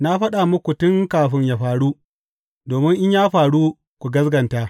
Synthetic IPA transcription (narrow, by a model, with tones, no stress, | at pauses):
na˦ɸɐ˦ɗa˨mʊ˦kʷu˨tʊ˦ŋkaː˨ɸɪ˦ɲjaː˨ɸaː˨ɽu˦ | doː˨mɪ˦ŋʔɪ˦ɲjaː˦ɸaː˨ɽu˦ | kʷu˨ɡɐ˦sɡɐ˨nta˦